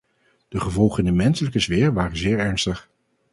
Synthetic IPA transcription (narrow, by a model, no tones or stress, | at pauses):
d̥əχəvɔlˠχəɪndəmɛnsələkəzʋɪːɹʋaːrənzɪːɹɛɹnstəχ